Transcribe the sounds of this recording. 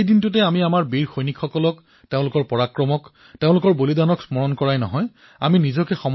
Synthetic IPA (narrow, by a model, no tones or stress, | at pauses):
ejdintʊtɛamiamaɹbiɹxojnikʰxɔkɔlɔk | teʊ̃lʊkɔɹpɔɹakɹɔmɔk | teʊ̃lʊkɔɹbolidanɔksmɔɹɔnkɔɹajnɔ̰ɦɔj | a̰minizɔkɛxɔm